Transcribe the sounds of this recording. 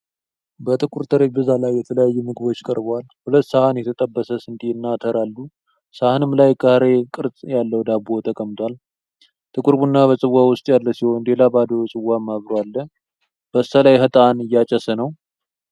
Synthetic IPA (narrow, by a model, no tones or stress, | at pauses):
bət̪ʼɨkʼuɾt̪ʰəɾebɨzalajːɛt̪ʰələjajːɛmɨɡɨbo̞t͡ʃːkʼəɾbwalhulət̪ːsəhanjɛt̪ʰət̪ʼəbːəsəsɨnd̪iɨnːat̪ʰəɾalːu | sahanɨmlajkʰʼəhaɾe̞kʼɨɾsʼjalːəwd̪abo̞t̪ʰəkʼəmt̪ʰʼal | t̪ʰʼɨkʼuɾbunːaβəsʼɨwːawʊst̪ʼjalːəsiho̞nd̪e̞labad̪əsʼɨwːamːaβɾoalːə | b̥əsəlajɦət̪ʼanɨjːat͡ʃʼəsənəw